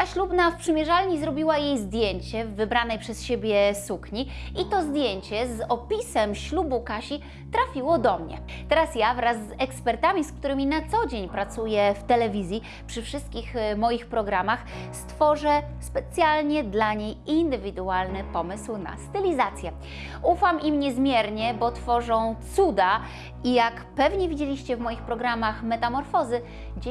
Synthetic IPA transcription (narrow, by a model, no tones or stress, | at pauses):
t̪aɕlubnafpʂɘmʲjɛʐalɲizɾɔbʲiwajejzd̪ʲjeɲt͡ɕɛːɘbɾanɛjpʂɛsɕebʲjɛsukɲiit̪ɔzd̪ʲjeɲt͡ɕɛzɔpʲisɛmɕlubukaɕi | t̪ɾafʲiwɔd̪ɔmɲɛ̰ | t̪ɛɾasjavɾazːɛkspɛɾt̪amʲisk̚t̪uɾɘmʲinat̪sɔd͡ʑeɲpɾat̪sujɛft̪ɛlɛvʲizʲji | pʂɘfʂɘst̪̚kʲixmɔjixpɾɔɡɾamax | st̪fɔʐɛ | spɛt̪sʲjalɲɛd̪laɲejind̪ɘvʲid̪ualnɘpɔmɘswna̰st̪ɘlʲizat̪sʲjɛ | ufamʔimɲɛzmʲjɛɾɲɛbɔt̪fɔʐɔ̃w̃t̪sud̪a | ijak | pɛvɲɛvʲid͡ʑelʲiɕt͡ɕɛvmɔjixpɾɔɡɾamaxmɛt̪amɔɾfɔzɘ | ɡd͡ʑe